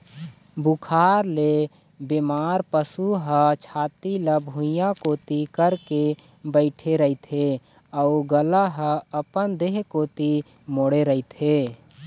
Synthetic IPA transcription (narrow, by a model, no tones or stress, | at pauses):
bukʰaːɾle | bemaːɾpəsuɦət͡ʃʰaːt̪iləbʱũjãkoːt̪ikəɾke | bəɪʈʰeɾəit̪ʰe | əuɡəlaɦəəpənd̪eɦkoːt̪i | moɽeɾəit̪ʰe